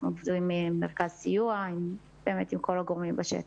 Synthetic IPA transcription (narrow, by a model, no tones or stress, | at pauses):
movduimimːeʁkazsijuaim | b̥eːmet̪imkolaɡoʁmimbaʃḛt